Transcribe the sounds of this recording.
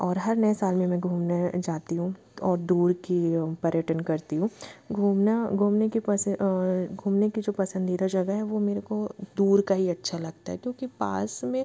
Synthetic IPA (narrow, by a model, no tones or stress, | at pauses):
ɔːɾɦɐɾnɐesaːlmẽmɛ̃ɡʱuːmnad͡ʒaːt̪iɦũ | ɔːɾd̪uːɾkipɐɾjəʈənkɐɾt̪iɦũːɡʱuːmnaɡʱuːmneki | ɡʱuːmnekid͡ʒoːpɐsə̃nd̪iːd̪ad͡ʒɐɡəɦɛʋomeːɾekod̪uːɾkaɦiɐtːʃʰalɐɡ̚t̪aɦɛkjõːkipa̰ːsmẽ